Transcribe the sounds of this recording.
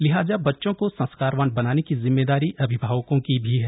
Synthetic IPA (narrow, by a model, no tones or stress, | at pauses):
lɪɦaːzabɐtːʃõkosɐ̃nskaːɾʋaːnbɐnaːnekizɪmːeːd̪aːɾiʔɐbʱɪbʱaːʋəkõkibʱiɦɛː